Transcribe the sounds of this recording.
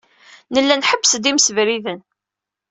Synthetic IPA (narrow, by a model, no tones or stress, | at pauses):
nəlːænħəbːəsd̪imsəvɾiðən